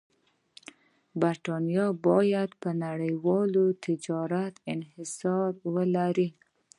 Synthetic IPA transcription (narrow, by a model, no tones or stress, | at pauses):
baɾt̪ɑnjɑbɑjad̪pənaɽəjwɑlot̪ʰɪd͡ʒɑɾat̪ɪnhɪsɑɾwəlaɾi